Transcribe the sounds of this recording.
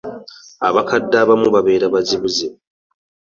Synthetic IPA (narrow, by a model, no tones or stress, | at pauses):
aβakadːaβamuβaβe̞ːɾaβaziβuze